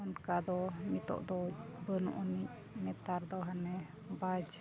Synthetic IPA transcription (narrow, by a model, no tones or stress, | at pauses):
ɔnkad̪ɔmit̪ɔ̰ʔd̪ɔbənɔ̰ʔɔni | mɛt̪aɾd̪ɔɦanɛ | bad͡ʒ